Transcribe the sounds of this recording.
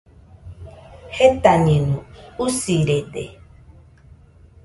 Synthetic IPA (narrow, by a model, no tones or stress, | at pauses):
het̪aɲẽnũusiɾedḛ